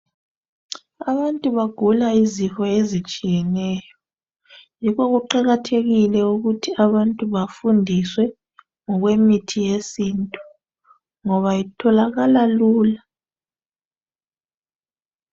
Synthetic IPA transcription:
aβantʼuβaɡ̥ʱulaizixɔezit͡ʃʼijɛnɛːjɔ | jikɔɣuǃaɣatʰeɣilɛuɣutʰiaβantʼuβafundʱiswɛ | ŋɔɣwemitʰijesiːntʼu̥ | ŋɔβajitʰɔlaɣalaluːla

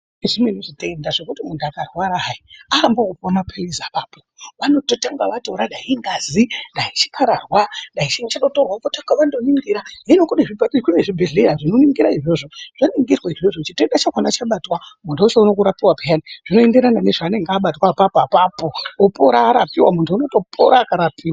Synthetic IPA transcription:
eʐimeinoʐite̞ndaʐe̞kutimundakarwaɾaɦaiarambokuponapʰelizapaːpoʋano̞totaŋɡaʋatoɾaɗaɦiŋɡazinɗait͡ʃi̥kaɾarwaɗait͡ʃiŋt͡ʃaɗotorwakotaŋkaʋandoniŋɡiɾaɦinokuneʐibaikuneʐibʱe̞ɮeɾaʐino̞niŋɡiɾaiʐo̞ʐo̞ʐ̥aniŋɡirwaiʐoʐot͡ʃiteɗat͡ʃakwanat͡ʃaɓatwamuntʰuut͡ʃeuno̞kuɾapiwabijaniʐ̥ino̞ende̞ɾanane̞ʐaːne̞ŋɡːɓatwapapːpapoːpoɾaːɾapiwamuntʰuuno̞to̞pʰo̰ɾaːkaɾapiːwa

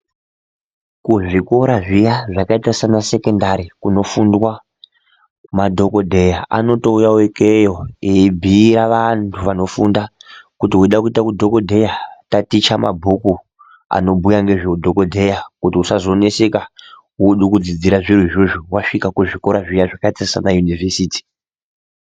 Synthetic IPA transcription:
kuʐikoɾaʐijaʐakaitasanase̞ke̞ndaɾikuno̞fundwa | madʱo̞ko̞dʱe̞jaa̰no̞to̞ujawekejo̞ebʱiɾaʋantʰuʋano̞fundakutiɦuiɗakuitakudʱo̞ko̞dʱe̞jatatit͡ʃama̰bʱoku | a̰no̞bʱujaŋɡe̞ʐeudʱoko̞dʱejakutiusazo̞ne̞se̞ka | ɦuɗukud͡zid͡ziɾaʐirwiʐoʐuwaʂikakuʐikoɾaʐijaʐakaitasanajunivʱesiːti̥

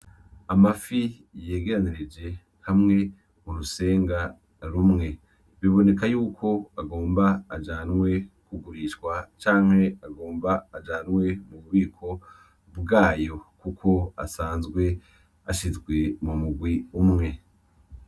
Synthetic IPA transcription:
amafi | je̞ːɡe̞ɾaniɾed͡ʒe̞ | hamŋe̞ | muɾuse̞ːŋɡa | ɾumŋe̞ | βiβo̞ne̞kajuːkʰo̞aɡo̞ːmbaːd͡ʒaːnwe̞kuɡuɾiʃkwat͡ʃaːŋ̥he̞aɡoːmbaːd͡ʒaːnwe̞muβuβiːkʰo̞ | bɡaːjo̞kukʰo̞a̰saːnzɡwe̞ | aʃizɡwe̞mumuɡwiumŋe̞

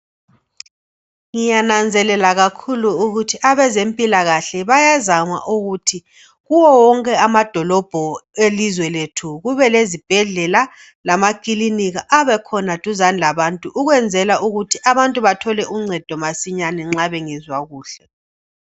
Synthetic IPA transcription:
ŋijanand͡zʱɛlɛlaɣakʰuluːɣutʰiʔaβɛzempʼilaɣaɬɛβajazama̰ʔuɣutʰi | ɣuwɔwɔŋkʼɛamad̥ʱɔlɔb̥ʱɔelizwɛletʰuɣuβɛlezib̥ʱɛɮɛla | lamakʼiliniɣaʔaβɛkʰɔnatʼuzanlaβantʼuʔuɣwɛnd͡zʱɛlaʔuɣutʰiʔaβantʼuβatʰɔlɛʔuŋ͡ǀʱɛd̥ʱɔmasiɲanɛŋ͡ǁaβɛŋizwaɣuːɬɛ

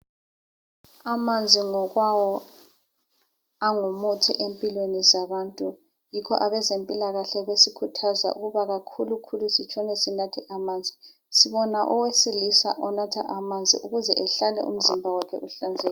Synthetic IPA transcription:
amand͡zʱiŋɔɣwawɔ | aŋumutʰḭʔempʼilwenizaβaːntʼu | jikʰɔ̰ʔaβɛzempʼilaɣaɬɛβesikʰutʰaza̰ʔṵɣuβaɣakʰulukʰulusit͡ʃʰʼɔnɛsinatʰɛʔamaːnd͡zʱi | siβɔnaʔɔwesilisa̰ʔɔnatʰa̰ʔamand͡zʱḭʔuɣuzɛʔɛɬalɛ̰ʔṵm̩zimbʱawakʰɛ̰ʔuɬand͡zʱɛːl

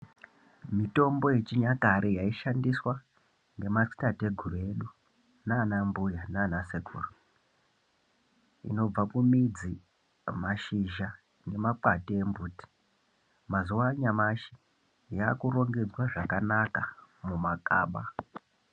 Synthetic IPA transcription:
mito̞mbo̞jet͡ʃiɲakaɾʔejaiʃandiswa | ŋɡe̞masi̥tate̞ɡʱurue̞ɗu | naːnambujanaːnasekʰṵːru | ḭno̞b͡vakumid͡zi | maʃiʒa | nɡe̞mak͡patiembuːti̥ | mazuwaɲamaʃi̥ | jaːkuro̞ŋɡed͡zwaʐakanakamumaka̰ːɓa

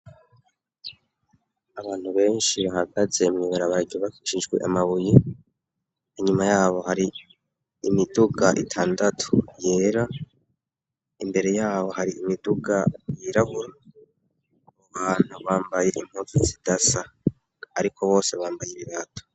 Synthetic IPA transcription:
aβaːn̥huβe̞ːnʃiβaɦaɡaze̞mɲiβaɾaβaiɟoβakiʃiʒɡwḛʔamaβuji | iɲumajaːβo̞haɾiː | miduɡaʔitʰaːndatʰu̥je̞ːɾa | imbe̞ɾe̞jaːβo̞haɾiimiduɡajiɾahuɾa | βoβaːn̥huβaːmbaje̞ʔim̥hutizidasaː | ɾikʰo̞βo̞ːse̞βaːmbajeβiβatʰo̥

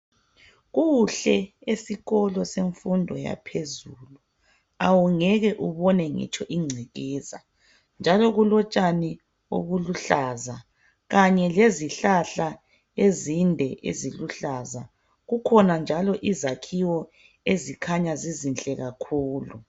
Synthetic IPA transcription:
ɣuɬɛesiɣɔlɔseɱfundʱɔja̰pʰezulu | awuŋɛɣɛʔuβɔnɛŋɛ̰t͡ʃʰʼɔʔiŋ͡ǀʱiɣɛza̰ | nd͡ʒʱalɔɣulɔt͡ʃʼani | o̰ɣuluɬaza | ɣaɲɛleziɬaɬa | ezindʱɛʔḛziluɬaza | ɣukʰɔnand͡ʒʱalɔʔizakʰiwɔ | ezikʰaɲazizint͡ɬʼɛɣakʰuːlu

